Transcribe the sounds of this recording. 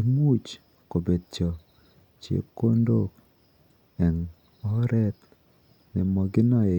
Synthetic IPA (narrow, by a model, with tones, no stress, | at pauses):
ɪ˦mu˦t͡ʃ | ko˨be˨d̚t͡ʃɔ˨ | t͡ʃjḛ˦pko˦ndo˦k | ɛ˨n | ɔ˦ɾɛ˦t̪ | nɪ˨mɔ˨ɡɪ˦nɔ˦e˨